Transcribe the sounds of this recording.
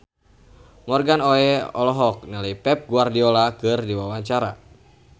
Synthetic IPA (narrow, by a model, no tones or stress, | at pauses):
mɔrɡanɔɛɔ̰lɔɦɔk̚nɛlaipɛp̚ɡuardiɔlakɨrdiwawaɲt͡ʃaɾa